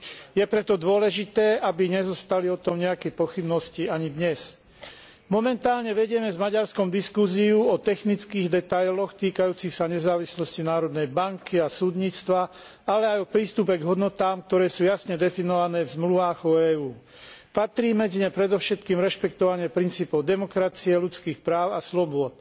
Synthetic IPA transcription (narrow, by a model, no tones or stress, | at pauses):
jɛpɾɛt̪ɔd̪ʊɔlɛʒit̪ɛːʔabiɲɛzɔst̪aliɔt̪ɔmɲɛakɛjpɔxibnɔsciaɲid̪ɲɛs | mɔmɛnt̪aːlɲɛʋɛɟɪɛmɛzmaɟaɾskɔmd̪iskuziuɔt̪ɛxnit͡skiːɣd̪ɛt̪ajlɔxt̪iːkajuːt͡sixsaɲɛzaːʋislɔscinaːɾɔd̪nɛjbaŋkiasuːd̪ɲiːt͡st̪ʋa | alɛajɔpɾiːst̪up̬ɛɡɦɔd̪nɔt̪aːmk̚t̪ɔɾɛːsuːjasɲɛd̪ɛfinɔʋanɛːvzmluʋaːɣɔɛːuː | pat̪ɾiːmɛd͡ziɲɛpɾɛd̪ɔʊʃɛt̪kiːmɾɛʃpɛk̚t̪ɔʋaɲɪɛpɾint͡siːpɔʊd̪ɛmɔkɾat͡siɛlut͡skiːxpɾaːʊaslɔbʊɔt̪̚